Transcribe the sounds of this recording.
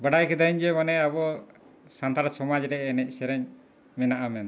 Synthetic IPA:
bəɽajkɛd̪aiɲd͡ʒɛmanɛabɔ | sant̪aɾasɔmad͡ʒɾɛːnɛc̚ˀsɛɾɛɲ | mɛnaʔamɛn

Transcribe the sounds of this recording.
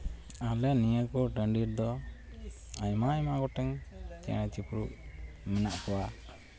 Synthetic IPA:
alɛnijəkɔɖəɳɖiɾd̪ɔ | ajmajmaɡɔʈɛŋt͡ʃɛ̰̃t͡ʃipɾuʔ | mɛnaʔkɔwa

